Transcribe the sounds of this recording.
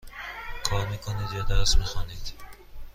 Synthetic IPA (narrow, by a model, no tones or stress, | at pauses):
kʰɒːɾmiːkʰoniːd̪jɒd̪æɾsmixɔːniːd̪̥